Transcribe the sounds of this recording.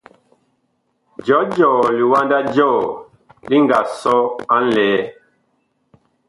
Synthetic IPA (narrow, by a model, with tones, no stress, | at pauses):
d͡ʒɔ˨˦d͡ʒɔ˨li˨wa˦nda˦d͡ʒɔː˦˨ | li˦ŋɡa˨sɔ˦a˦n̩˦lɛː˨˦